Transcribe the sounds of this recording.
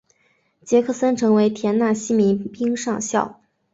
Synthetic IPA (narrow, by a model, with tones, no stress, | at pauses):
t͡ɕjɛ˧˥kʰɤ˥˩sə˥nʈ͡ʂʰɤ˧˥ŋwe˧˥ɪt̪ʰjɛ˧˥nna˥˩ɕi˥mi˧˥npi˥ŋʂɑ˥˧ŋɕjɑ˥˩ʊ